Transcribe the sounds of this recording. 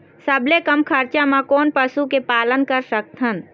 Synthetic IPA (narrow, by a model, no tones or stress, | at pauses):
səblekəmkʰəɾt͡ʃamãkɔːnpəsukepaːlənkəɾsək̚t̪ʰən